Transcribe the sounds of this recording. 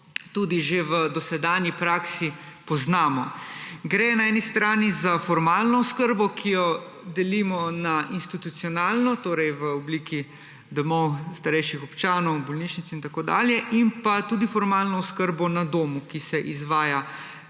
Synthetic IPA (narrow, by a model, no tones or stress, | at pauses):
t̪uːd̪iʒeʋəd̪ɔsɛd̪aːnjipɾaːksipɔznaːmɔɡɾɛnaɛːnist̪ɾaːnizafɔɾmaːlnɔɔskəɾbɔkʰijɔ | d̪ɛlimɔnaʔinst̪it̪ut̪siɔnaːlnɔt̪oːɾɛjʋəɔbliːki | d̪ɔmɔwst̪aɾɛjʃixɔpt͡ʃaːnɔwbɔlniːʃnit̪sint̪akoːd̪a̰ːljɛʔimpat̪ud̪ifɔɾmaːlnɔɔskəɾbɔnad̪oːmukisɛʔizʋaːja